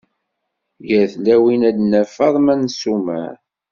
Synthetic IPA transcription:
jæɾθlæwinæd̪næfɑðˤmænsumæ̰

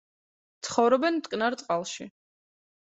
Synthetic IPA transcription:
t̪sʰχɔvɾɔbɛnt̪ʼkʼnaɾt̪sʼqʼalˠʃi

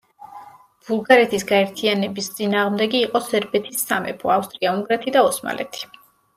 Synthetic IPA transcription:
b̥ulˠɡaɾɛt̪ʰisɡaɛɾt̪ʰianɛbist̪sʼinaːʁmd̪ɛɡiːqʼɔsɛɾbɛt̪ʰisːamɛ̰pʰɔafst̪ʼɾiauŋɡɾat̪ʰid̪aɔsma̰lʔɛ̰t̪ʰi̥

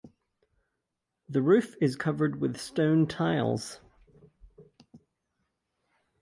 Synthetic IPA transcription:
ðəɹʉˑfɪz̥kʰʌvə˞d̚wɪð̥stõʊ̃ntʰaɪlˠz̥

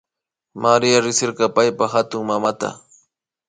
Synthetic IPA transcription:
maɾɪjaɾɪsɪɾqɑpajpaxat̪ʊŋmamat̪a̰

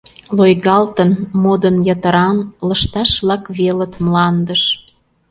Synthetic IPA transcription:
lojɣɑlt̪ənmod̪ənjɑt̪əɾɑnlə̆ʃt̪ɑʃβlɑkβelət̪mlɑnd̪əʃ

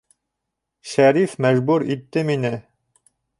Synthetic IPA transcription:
ʃæɾifmæʒbuɾit̪ːɘminɘ

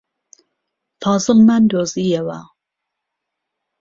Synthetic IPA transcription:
fɑːzɨlmænd̪ozijɛwa

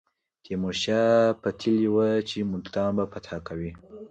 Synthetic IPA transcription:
t̪emoʃjapat̪ʰiliwət͡ʃemʊlt̪ɑnbapat̪ʰakawi

